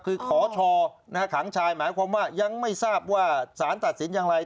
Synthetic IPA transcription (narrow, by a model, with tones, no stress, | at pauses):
kʰɯː˧kʰɔː˩˦t͡ɕʰɔː˧na˦˥ka˥˩kʰa˩˦ŋt͡ɕʰaː˧jmaː˩˦jkʰwaː˧mwaː˥˩ja˧ŋma˥˩jsaː˥˩p̚waː˥˩saː˩˦nt̪a˨t̪̚si˩˦njaː˧ŋɾa˧j